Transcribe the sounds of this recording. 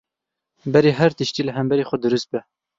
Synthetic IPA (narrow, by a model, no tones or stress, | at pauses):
bɛɾeːɦɛɾt̪əʃt̪iːləɦɛmbɛɾeːxʷɛd̪ɨɾɨst̪̚bɛ